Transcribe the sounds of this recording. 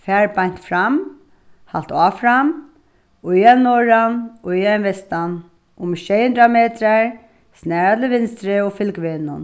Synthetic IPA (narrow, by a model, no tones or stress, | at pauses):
fɛːɹpajɲ̥t̪fɾam | ha̰lt̪aːfɾam | ʊjanɔɹanɔijanʋɛst̪an | ʊmɪʃɛjʊnd̪ɾameːt̪ɾaɹ | snɛːɹat̪ʰlɪʋɪnst̪ɾɪɔfɪlkʋeːnʊ̰n